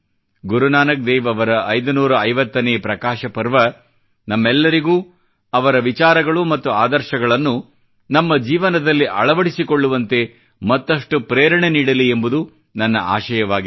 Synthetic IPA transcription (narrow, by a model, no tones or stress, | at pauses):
ɡuɾunaːnɐk̚d̪ɛːʋɐʋɐɾɐʔɐjd̪unuːɾɐːjʋɐt̪ːɐneːpɾɐkaːʃɐpɐɾʋɐ | nɐmːɛlːɐɾiɡuː | ɐʋɐɾɐʋit͡ʃaːɾɐɡɐɭumɐt̪ːuaːd̪ɐɾʃɐɡɐɭɐnːu | nɐmːɐd͡ʒiːʋɐnɐd̪ɐlːiʔɐ̰ɭɐʋɐɽisikoɭːuʋɐnt̪e̞ | mɐt̪ːɐʂʈupɾɛːɾɐɳeniːɽɐliembud̪u | nɐnːɐ̰ʔa̰ːʃɐjɐʋaːɡi